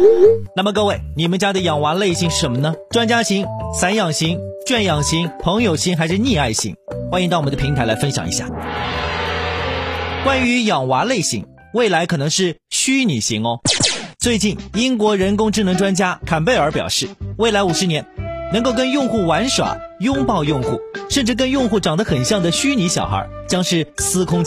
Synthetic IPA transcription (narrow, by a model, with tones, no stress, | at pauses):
na˥˩mə˩kɤ˥˧we˥˩ɪni˨˩mə˦nt͡ɕja˥d̪ə˨jɑ˨˩ŋwa˧˥le˥˩ɪɕi˧˥ŋʂɻ̩˥˩ʂə˧˥mə˧nə˨ʈ͡ʂwa˥nt͡ɕja˥ɕi˧˥ŋsa˧˥njɑ˨˩ŋɕi˧˥ŋ | t͡ɕɥɛ˥˩njɑ˨˩ŋɕi˧˥ŋpʰɤ˧˥ŋjo˨˩ʊɕi˧˥ŋxa˧˥ɪʂɻ̩˥˧ni˥˧a˥˩ɪɕḭ˧˥ŋxwa˥ni˧˥t̪ɑ˥˩ʊɔ˨˩˧d̪pʰi˧˥ŋt̪ʰa˧˥la˧˥ɪfə˥nɕjɑ̰˨˩ŋḭ˧˥ɕja˥˩ | kwa˥ny˧˥jɑ˨˩ŋwa˧˥le˥˩ɪɕḭ˧˥ŋ | we˥˩ɪla˧˥ɪkʰɤ˨˩nɤ˧˥ŋʂɻ̩˥˩ɕy˥ni˨˩ɕi˧˥ŋ˧t͡swe˥˧ɪt͡ɕi˥˩ni˥ŋkwɔ˧˥ɻə˧˥nkʊ˥ŋʈ͡ʂɻ̩˥˩nɤ˧˥ŋʈ͡ʂwa˥nt͡ɕja˥kʰa˨˩npe˥˩ɪə˞˧˥pjɑ̰˨˩ʊʂɻ̩˥˩we˥˩ɪla˧˥ɪu˨˩ʂɻ̩˧˥njɛ˧˥nnɤ˧˥ŋko˥˩kə˥njʊ˥˧ŋxu˥˩wa˧˥nʂwa̰˨˩˦jʊ˥ŋpɑ˥˧ʊjʊ˥˧ŋxu˥˩ʂə˥˧nʈ͡ʂɻ̩˥˩k̬ə˥njʊ˥˧ŋxu˥˩ʈ͡ʂɑ˨˩ŋd̪ə˦xə˨˩nɕjɑ˥˩ŋd̪ə˩ɕy˥ni˧˥ɕjɑ˨˩ʊxə̰˧˥ | t͡ɕjɑ˥ŋʂɻ̩˥˩sɹ̩˥kʰʊ˥ŋ